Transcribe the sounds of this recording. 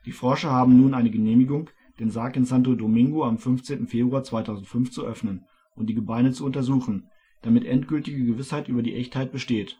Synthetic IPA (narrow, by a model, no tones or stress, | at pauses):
d̥iːfɔɐʃɐhaːbm̩nuːnʔaɪnəɡəneːmɪɡʊŋ | d̥eːnzaɐkɪnsantodomɪŋɡoamfʏnft͡seːntn̩feːbʁuaːt͡sv̥aɪtʰaʊzn̩tfʏnft͡suʔœfnən | ʔʊnt̚d̥iːɡəbaɪnət͡suʊntɐzuːχn̩ | d̥amɪtʔɛntɡ̥ʏltɪɡəɡəvɪshaɪtʔyːbɐdiːʔɛçthaɪt̚b̥əʃteːt